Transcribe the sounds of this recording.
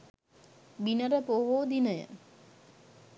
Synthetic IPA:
binəɾəpoɦoːd̪inəjə̰

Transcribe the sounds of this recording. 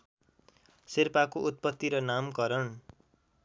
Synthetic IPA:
sirpakoʔut̪̚pʌt̪ːiɾʌnamkʌɾʌn

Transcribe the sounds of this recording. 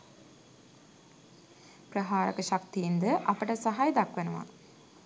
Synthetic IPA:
prəɦaːɾəkəʃakt̪ijind̪əʔapəʈəsaɦajd̪akʋenuʋa̰

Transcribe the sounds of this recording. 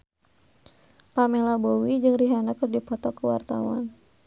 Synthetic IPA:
lamɛlabowid͡ʒɨŋriɦanakɨrdipɔt̪ɔkəwa̰rt̪a̰wa̰n

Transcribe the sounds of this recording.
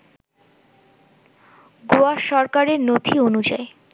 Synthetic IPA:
ɡoaʃɔɾkaɾeɾnot̪ʰionud͡ʑae

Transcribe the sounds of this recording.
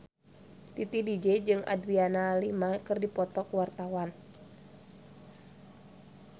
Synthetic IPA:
t̪it̪idid͡ʒɛd͡ʒɨŋʔa̰dɾianalimakɨrdipɔt̪ɔkuwart̪awan

